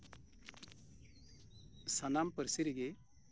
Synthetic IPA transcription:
sanampəɾsiɾiɡɛ

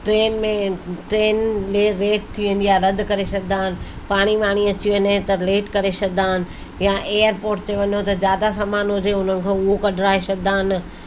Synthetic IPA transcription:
ʈɾeːnmẽʈɾeːnleːɾeːʈ̚t̪ʰiʋənɪjaɾɐd̪ʱkɐɾesɐɡnaːɦɪnɪ̆ | paːɽ̃iʋaːɽ̃iɐt͡ɕiʋənɦt̪ɐleːʈkɐɾesɐɡnaːɦɪnɪ̆ | jaʔeːəɾpoːɾʈ̚t̪ʰeʋɐɲot̪ɐzjaːd̪asaːmaːnɦʊd͡ʑeʊn̤ənɪ̆kʰẽːʊɦokɐɖʱɾaːesɐɡnd̪aːɦɪn

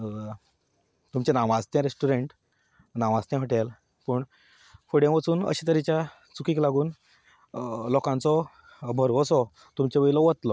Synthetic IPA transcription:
t̪umt͡ɕenaʋast̪jãɾesʈuɾeɳʈ | naʋast̪jãfəʈel | pəːɳ | fuɽẽʋət͡suːnə̰ɕit̪əɾit͡ɕja | t͡sukiːklaɡuːn | lɔkãnt͡sɔ | bʱəɾʋɔsɔ | t̪umt͡ɕeʋəjilɔʋət̪lɔ

